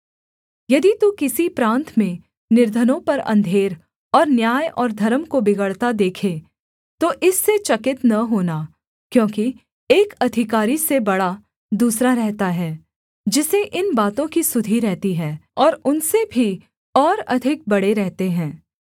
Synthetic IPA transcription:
jɐd̪it̪ukɪsipɾãːnt̪mẽ | nɪɾd̪ʱənõpɐɾɐ̰̃nd̪ʱeːɾ | ɔːɾnjaːjɔːɾd̪ʱɐɾəmkobɪɡəɽt̪ad̪eːkʰe | t̪oʔɪsːet͡ʃɐkɪt̪nɐɦoːna | kjõːki | eːkɐd̪ʱɪkaːɾisebɐɽa | d̪uːsɾaɾɛɦt̪aɦɛː | d͡ʒɪseʔɪnbaːt̪õkisʊd̪ʱiɾɛɦt̪iɦɛːɔːɾʊnsebʱi | ɔːɾɐd̪ʱɪk̚bɐɽeɾɛɦt̪eɦɛ̃ː

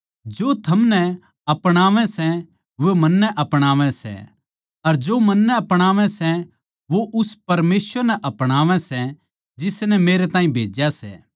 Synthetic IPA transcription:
d͡ʒoːt̪ʰɐmnɛ | ɐpɽ̃aːʋɛ̃sɛ̃ | ʋemɐnːɛʔɐpɽ̃aːʋɛ̃sɛ̰ | ɐɾd͡ʒoːmɐnːɛɐpɽ̃aːʋɛ̃sɛ | ʋoʔʊspɐɾmeːsʋəɾnɛʔɐpɽ̃aːʋɛ̃sɛ | d͡ʒɪsnɛmeːɾɛt̪aːĩbʱḛːd͡ʒjasɛ̰ː

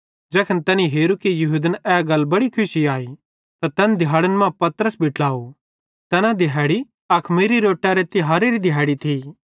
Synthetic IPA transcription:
d͡ʒɛːkʰənt̪ɐniɦeːɾukijɐɦud̪ənɛːɡɐlːbɐɽikʰʊsiaːi | t̪at̪ɛnd̪ʱɪɦaːɽənmãpɐt̪ɾəsbʱɪʈlaːo | t̪ɛːnãd̪ɪɛːɽi | ɐkʰmiɾiɾoːʈːaɾet̪ɪɦaːɾeɾid̪ʱɪɦaːɽit̪ʰiː

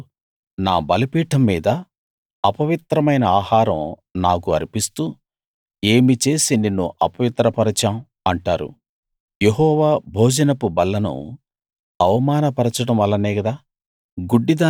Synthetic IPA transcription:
naːbɐlɐpiːʈɐmːiːd̪ɐː | pɐʋit̪ɾɐmɐjnɐaːhaːɾɐ̰mnaːkuɐ̰ɾipist̪uː | eːmit͡ʃe̞ːsininːuʔɐpɐʋit̪ɾɐpɐɾɐt͡ʃaːm | ɐɳʈaːɾṵ | jeɦɔːʋaːbʱoːd͡ʒɐnɐpubɐlːɐnṵ | ɐʋɐmaːnɐpɐɾɐt͡ʃɐɽɐmʋɐlːɐnɛːɡɐd̪aː | ɡuɖːid̪aː

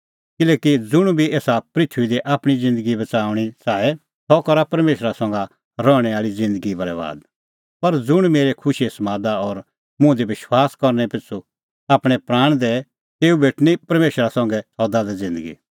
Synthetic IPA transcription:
kɪlɛːkid͡zʊɽ̃bʱieːsapɾɪt̪ʰʋid̪iʔaːpɽ̃id͡zɪ̃nd̪əɡibɐt͡saːʊɽ̃it͡saːɛ | t̪ɔkɐɾapɐɾmeːʃɾasɐ̃ŋɡa | ɾɔːɽ̃ɛaːɭid͡zɪ̃nd̪əɡibʱɐɾɛʋa̰ːd̪ | pɐɾd͡zʊɽ̃meːɾekʰʊʃiesɐmaːd̪aɔɾ | mʊ̃d̪ibɪʃwaːskɐɾñɛpɪt͡sʰu | aːpɽ̃ɛpɾaːɽ̃d̪ɛ | t̪eːubʱeːʈʰnipɐɾmeːʃɾasɐ̃ŋɡɛsɔd̪ad̪ɛd͡zɪ̃nd̪əɡḭ

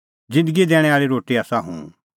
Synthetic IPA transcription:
d͡zɪ̃nd̪əɡid̪ɛːɽ̃ɛaːɭiɾoːʈiaːsaɦṵ̃ː

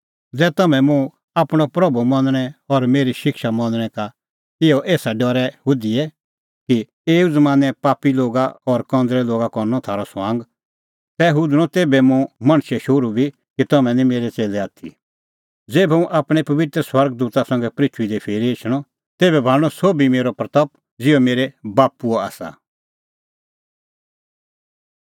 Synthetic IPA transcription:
d͡zɛːt̪ɐmɛ̃mũ | aːpɽ̃ɔpɾɐbumɐ̃nɽ̃ɛɔɾmeːɾiʃɪkʃamɐ̃ndəɽ̃ɛ̃ka | ɪɔʔeːsaɖɔɾɛɦʊd̪iɛ | ki | eːuzmãːnɛpaːpiloːɡaɔɾkɔ̃ːnd̪ɾɛloːɡakɔɾnɔt̪ʰaːɾɔswãːŋɡ | t̪ɛɦʊd̪ɽ̃ɔ̃t̪eːbɛmũmɐ̃ɽ̃ʃɛʃʊɾubʱi | kit̪ɐmɛ̃nĩmeːɾɛt͡seːlɛaːt̪ʰḭ | d͡zeːbɛũʔaːpɽ̃ɛpɐʋɪt̪ɾəswɐɾɡd̪uːt̪asɐ̃ŋɡɛpɾɪt͡ʃʰʊid̪ɛpʰeːɾiɪt͡ʃʰɽ̃ɔ | t̪eːbɛbʱaːɽ̃ɔsoːbimeːɾɔpɾɐt̪ɐp | d͡zɪɔmeːɾɛbaːpuɔa̰ːsa̰

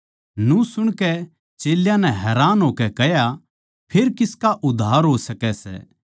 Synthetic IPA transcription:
nũsʊɽ̃kɛ | t͡ʃeːljãnɛ̃ɦɛːɾaːnɦoːkɛkɛɦja | pʰeɾkɪskaʔʊd̪ʱːaːɾɦoːsɐkɛsɛ̰

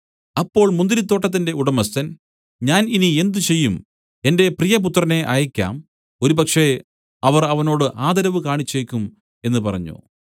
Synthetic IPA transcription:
ɐpːo̞ːɭmund̪iɾit̪̬ːo̞ːʈːɐt̪̬ːinde̞uɽɐmɐst̪ɐn | ɲaːninie̞nd̪ut͡ɕe̞jːum | e̞nde̞prijɐp̬ut̪ːrɐne̞ʔaːjɐkʲːa̰ːm | o̞ɾupɐkʂe̞ | ɐʋɐrɐʋɐno̞ːɽɨʔaːd̪ɐɾɐʋɨkaːɳit͡ɕːeːkʲːum | e̞nːɨpɐrɐ̰ɲːṵ

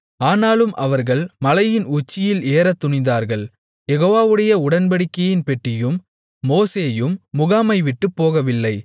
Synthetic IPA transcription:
aːnaːlɯmʔɐʋɐɾɣɐɭmɐlɐjɪnʊt͡ʃːɪjɪleːɾɐt̪ːʊɳɪnd̪aːɾɣɐɭ | jɛɣoːʋaːʋɯɽɐjɐʊɽɐnbɐɽɪkːɐjɪnpɛʈːɪjɯmː | oːseːjɯmːʊɣaːmɐɪʋɪʈːɯpːoːɣɐʋɪlːɐɪ

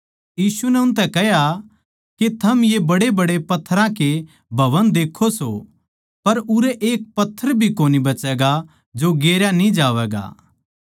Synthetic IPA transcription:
jiːsunɛʊ̃nt̪ɛkɛɦja | ket̪ʰɐmjebɐɽebɐɽepɐt̪ʰːəɾãke | bʱɐʋənd̪eːkʰːoso̰ | pɐɾʊɾɛʔeːk̚pɐt̪ʰːəɾbʱikoːnibɐt͡ʃɛːɡa | d͡ʒoɡeːɾjanĩd͡ʒaːʋɛːɡa̰ː

